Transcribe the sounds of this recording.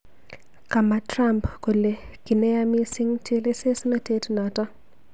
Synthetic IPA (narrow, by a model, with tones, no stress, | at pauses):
ka˨ma˨tɾa˦mpko˨le˨kɪ˨nɛ˦ja˦mi˦sɪ˦ŋte˦le˦se˦sna˦te˦tna˨ta˦